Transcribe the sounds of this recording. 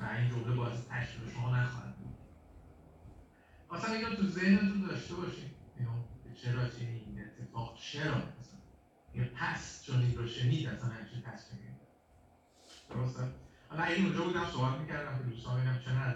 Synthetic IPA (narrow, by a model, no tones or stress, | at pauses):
væind͡ʒomlebɒːæsit̪ʰæ̰ʃɾibeʃomɒːnæxɒ̰hæ̰d̪̚bṵd̪ | ɒsæninot̪ʰuze̞hne̞t̪ʰund̪ɒʃt̪e̞bɒʃiːnenubet͡ʃʰe̞ɾɒːt̪ʰæniine̞t̪ʰːe̞fɒːɡ̥t͡ʃʰe̞ɾɒmæsæn | æjɛpʰæst͡ʃʰoninɾoʃeniːd̪æsænæmit͡ʃʰit̪p̪ʰæsmimed̪æ | d̪̥oɾost̪æhɒlɒæjinũnd͡ʒɒːbuːd̪æmsoːbæt̪micæɾd̪æmked̪ust̪ɒ̰meɡæmt͡ʃʰenæ